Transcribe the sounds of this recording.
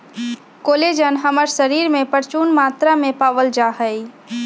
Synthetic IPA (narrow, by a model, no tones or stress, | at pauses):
koːled͡ʒənɦəməɾʃəɾiːɾmẽpəɾt͡ʃuːnmaːt̪ɾamẽpaːʋəld͡ʒaɦəi